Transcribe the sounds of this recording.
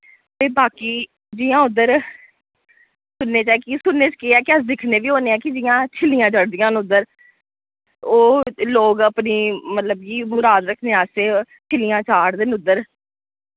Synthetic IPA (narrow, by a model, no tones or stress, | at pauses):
t̪eːbaːkiː | d͡ʒiːãːʊd̪əɾ | sʊnːeːt͡ʃɛːkisʊnːeːt͡ʃkɪɛːkəsd̪ɪkʰneːʋiːɦoːneːɛːkɪd͡ʒɪjãːt͡ʃʰɪlɪjãːt͡ʃəɽd̪ɪjãːnʊd̪əɾ | oːloːɡəpniːmət̪ləb̚kiːmʊɾaːd̪ɾəkʰneːaːseː | t͡ʃʰɪlɪjãːt͡ʃaːɽd̪ɪnʊd̪ːəɾ